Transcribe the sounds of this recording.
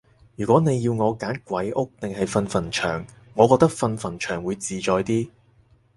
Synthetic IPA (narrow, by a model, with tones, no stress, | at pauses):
jyː˨kʷɔː˨˥ne˨˧jːiː˧wŋɔː˨˧kaː˨˥nkʷwɐ˨˥jʔʊ˥k̚t̪ɪ˨ŋɦɐ˨jfɐ˧nfɐ˨˩nt͡ʃʰœ̰ː˨˩ŋːɔː˨˧kɔː˧k̚t̪ɐ˥k̚fɐ˧nfɐ˨˩nt͡ʃʰœː˨˩ŋwuː˨˧jt͡siː˨t͡ʃɔː˨jt̪iː˥